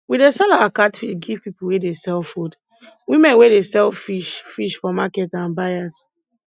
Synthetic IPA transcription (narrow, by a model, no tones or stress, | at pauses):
widesɛlawakatfiɡiv̥pipuwedesɛlfod | wimɛ̃nwedesɛlfiʃfiʃfɔmakɛtãnbajas